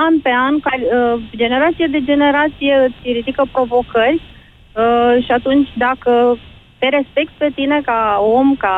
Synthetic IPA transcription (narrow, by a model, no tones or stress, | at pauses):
anpeankaɾʲəd͡ʒe̞ne̞ɾat̪sijad̪e̞d͡ʒe̞ne̞ɾat̪sijeɨsiɾid̪ikəpɾo̞vo̞kərʲ | ʃiat̪unt͡ʃʲd̪akə | t̪eɾe̞spe̞k̚t̪̚pe̞t̪inekaomka